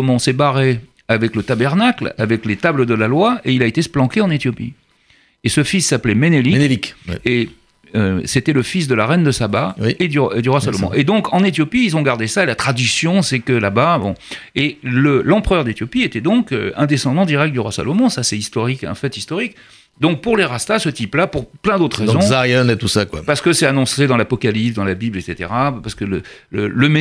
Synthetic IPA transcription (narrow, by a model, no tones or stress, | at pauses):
mɔ̃sɛbaʁe | avɛklət̪abɛʁnakla̰vɛklet̪abləd̪əlalwaeilaet̪esplɑ̃keɑ̃net̪jɔpḭ | esəfisːaplɛmenelike | øset̪ɛləfis̬d̪əlaʁɛnd̪əsabaed̪yed̪yʁwasalɔmɔ̰̃ʔed̪ɔ̃kɑ̃net̪jɔpiːlzɔ̃ɡaʁd̪esaelat̪χad̪ysjɔ̃sɛkəlababɔ̰̃eləlɑ̃pχœʁd̪et̪jɔpiet̪ɛd̪ɔ̃kø̰ɛ̃d̪esɑ̃d̪ɑ̃d̪iʁɛk̚t̪̚d̪yʁwasa̰lɔmɔ̃sasɛist̪ɔʁikɑ̰̃fɛt̪ist̪ɔʁik | d̪ɔ̃k̚puʁleʁast̪asət̪iplapuʁplɛ̃d̪ot̪χʁezɔ̃ajɛnet̪usakwapaʁsə̥kəsɛanɔ̃sed̪ɑ̃lapɔkalipsd̪ɑ̃labiblet̪set̪eʁapaʁsə̥kələ | lələme